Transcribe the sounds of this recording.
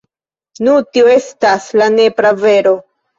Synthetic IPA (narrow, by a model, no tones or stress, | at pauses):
nutioe̞staslane̞pɾave̞ɾo̞